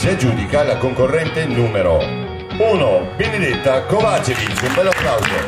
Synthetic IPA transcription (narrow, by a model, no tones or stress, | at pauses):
siad͡ʒuːd̪ikalakoŋkorːɛnt̪enuːmeɾo̰ | uːnobened̪et̪ːakovat͡ʃevit͡ʃiumbɛlːafɾawd̪e